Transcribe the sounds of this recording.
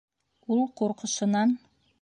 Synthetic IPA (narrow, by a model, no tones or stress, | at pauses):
ulˠquɾqŏʃɤ̆nɑn